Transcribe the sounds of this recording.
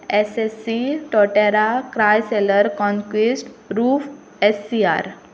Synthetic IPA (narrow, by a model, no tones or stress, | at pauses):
esesːiʈɔʈeɾakɾajseləɾkɔ̃ŋkwisʈɾuːf | esːia̰ɾ